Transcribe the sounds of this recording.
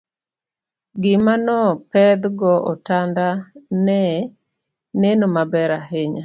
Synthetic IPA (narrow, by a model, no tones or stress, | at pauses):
ɡɪmanɔpɛd̪ɡɔʔɔtandanɛ | nenomabɛɾaɦeɲa